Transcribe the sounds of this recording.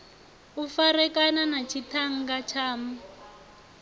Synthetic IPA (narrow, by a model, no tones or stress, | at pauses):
ufaɾɛkananat͡ʃʰitʰaŋ̩ɡat͡ʃʰaːma